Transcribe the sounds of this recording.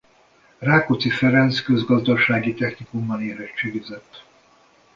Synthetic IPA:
raːkot̪sifɛɾɛnskø̞zɡɒzd̪ɒʃaːɡit̪ɛxnikumːɒneːɾɛt͡ʃːeːɡizɛt̪ː

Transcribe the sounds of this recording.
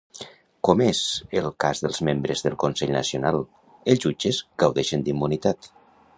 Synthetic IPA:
komezəlˠkazðəlˠzmembɾəzðəlˠkonsɛʎnə̰sionalˠ | elˠzud͡ʒəzɡəwðɛʃənd̪imːunit̪at̪

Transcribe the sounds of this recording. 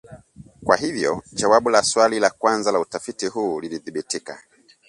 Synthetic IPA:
kwaɦivjɔ̰d͡ʒawaɓulaswalilakwanzalautafitiɦuːliliðiɓitika̰

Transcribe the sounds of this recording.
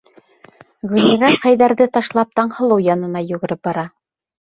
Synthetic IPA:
ʁɵ̆niɾæχæjðæɾðɘt̪ɑʃlˠɑp̚t̪ɑɴhɤ̆lˠɤwjɑnɤ̆nɑjʉɣɘ̆ɾɘp̚bɑɾɑ

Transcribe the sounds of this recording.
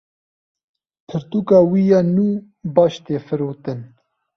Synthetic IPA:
t̪ʰɨɾt̪uːkɑːwijɑːnuː | bɑːʃt̪eːfɨɾoːt̪ɨn

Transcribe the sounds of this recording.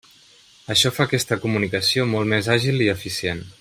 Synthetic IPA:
əʃɔfakɛst̪əkumunikəsiomɔlˠt̪mezaʒilˠiəfisien

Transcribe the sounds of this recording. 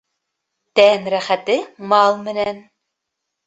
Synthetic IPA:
t̪ænɾæχæt̪ɘmɑlˠmɘ̆næn

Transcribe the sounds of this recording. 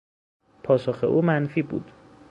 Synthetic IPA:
pʰɒːsoxḛʔuːmænfiːbṵːd̪̥

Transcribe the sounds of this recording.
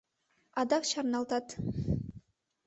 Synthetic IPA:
ɑd̪ɑkʃɑɾnɑlˠt̪ɑt̪

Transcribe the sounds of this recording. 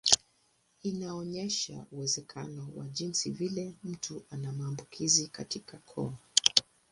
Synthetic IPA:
inaɔɲɛʃa̰uwɛzɛkʰa̰nɔwa̰ʄinsivilɛm̩tʰuʔanamaːmbukʰizikatikakʰɔ̰a

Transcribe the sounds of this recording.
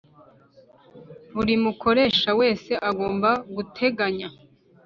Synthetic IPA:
βuɾimukʰo̞ɾe̞ːʃawe̞ːse̞ʔaɡo̞ːmbaɡutʰe̞ɡaɲa

